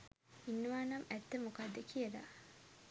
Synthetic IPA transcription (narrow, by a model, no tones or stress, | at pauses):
inːuʋaːnɐmɛt̪ːəmukad̪ːəkʰijəla̰